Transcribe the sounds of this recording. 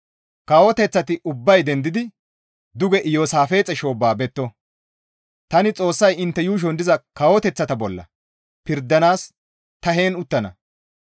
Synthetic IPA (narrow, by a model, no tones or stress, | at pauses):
kawɔt̪ɛt͡sːɐt̪ɪʔʊbːɐjd̪ɛnd̪ɪd̪ɪ | d̪ʊɡɛʔjoːsaːfe̞ːt͡sʼːɛʃo̞ːbaːbɛt̪ːɔ | t̪ɐnɪt͡sʼo̞ːsːɐjɪnt̪ːɛjuːʃ̬ɔnd̪ɪzɐkawɔt̪ɛt͡sːɐt̪ɐbɔlːɐ̰ | pɪɾd̪ːɐnaːs | t̪ɐɦe̞ːnʊt̪ːɐnɐ̰